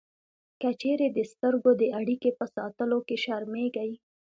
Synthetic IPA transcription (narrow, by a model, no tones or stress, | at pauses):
kət͡ʃeɾed̪əst̪əɾɡod̪əʔaɽikepəsɑ̰t̪əlokeʃaɾmeɡaj